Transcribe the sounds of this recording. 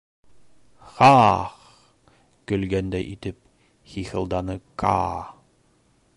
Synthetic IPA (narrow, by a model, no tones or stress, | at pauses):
χɑχ | kɵ̆lɡænd̪æjʔit̪ɘp̚ | χixɤ̆lˠd̪ɑnɤkʰɑ̰